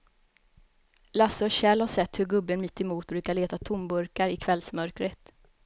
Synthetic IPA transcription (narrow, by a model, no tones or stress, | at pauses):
lasɔɕɛlhaʂɛt̪ːhɵɾɡɵbːənmɪt̪ːɛmuːt̪̚bɾʉːkaɭeːt̪at̪ʰʊmbɵɾkaɾɪkʰvɛlsmœɾkɾət̪